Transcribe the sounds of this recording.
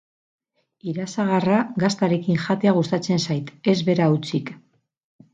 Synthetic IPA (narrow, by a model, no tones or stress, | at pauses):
iɾasaɣaraɡast̪aɾe̞kiŋʝat̪e̞aɣ̞ust̪at͡se̞nsajt̪e̞zβe̞ɾaut͡sik